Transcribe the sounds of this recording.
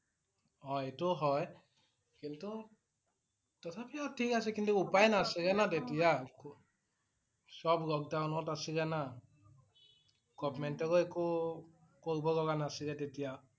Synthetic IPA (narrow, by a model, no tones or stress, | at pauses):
ɔetʊɦɔj | kɛltʊ | tɔtʰapiatʰikasɛkintuupajnasiɡɛnatetijak | sɔbɹɔk̚dawnɔtasiɡɛna | ɡ̥ɔpmɛntɔkɔeku | koɹibɔlɔɡanasiɡɛtetija